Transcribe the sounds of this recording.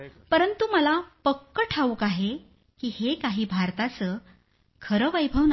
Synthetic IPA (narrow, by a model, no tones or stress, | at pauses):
pəɾənt̪uməlapəkːəʈʰaʋuːkaɦe | kiːhekaɦiːbʱaɾt̪at͡səː | kʰəɾəʋajbʱəʋn